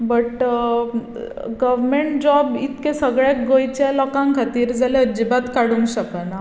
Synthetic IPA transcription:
bəʈ | ɡəʋɾmeɳʈ̚d͡ʑɔabit̪kesəɡɭekɡojt͡ɕalɔkãŋkʰat̪iːɾd͡zaleəd͡ʑibat̪kaɽũŋkɕəkəna

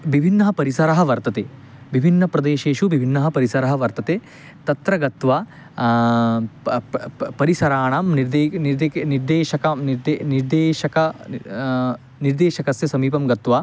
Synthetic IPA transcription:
ʋibʱinːɐɦɐpɐɾisɐɾɐɦɐ̆ʋɐɾt̪ɐt̪eː | ʋibʱinːɐpɾɐd̪eːʃeːʃuʋibʱinːɐɦɐ̆pɐɾisɐɾɐɦɐ̆ʋɐɾt̪ɐt̪eː | t̪ɐt̪ɾɐɡɐt̪ʋaː | pɐɾisɐɾaːɳaːmniɾd̪eːniɾd̪eːniɾd̪eːʃɐkaniɾd̪eniɾd̪eːʃɐkɐ | niɾd̪eːʃɐkɐsjɐsɐmiːpɐmɡɐt̪ʋaː

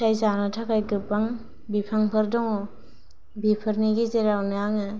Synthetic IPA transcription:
ajzanatʰakajkɯpːaŋ | bipʰaŋpʰɯɾdɔŋɔ | bipʰɯɾniɡizeɾawnaŋɯ

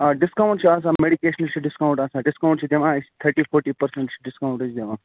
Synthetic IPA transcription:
aɖɪskaw̃ɳʈt͡ʃʰiaːs̬ãmeɽikeːʃənəlt͡ʃʰiɖɪskauɳʈaːsaːɖɪskawɳʈt͡ʃʰid̪eʋãːt̪ʰɐɾʈiːfʰoːɾʈipɐɾseɳʈt͡ʃʰi̥ɖɪskaũɳʈːt͡ʃʰid̪eʋãː

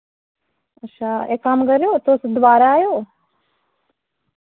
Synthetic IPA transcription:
ətːʃʰaḛkːamkəɾjot̪osd̪ʋaːɾaːjoː

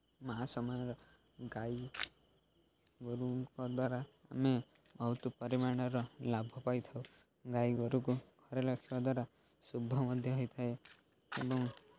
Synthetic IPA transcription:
maɦasɔmanɔɾɔ | ɡaj | ɡoɾukɔd̪waɾaːme | bʱɔɦut̪upɔɾimaɽ̃ɔɾɔlabʱɔpajt̪ʰaw | ɡajɡoɾukuɡ̥ʱɔɾelɔkʰibad̪waɾa | subʱːɔmɔd̪ʱjɔɦɔjt̪ʰae | ebɔŋ

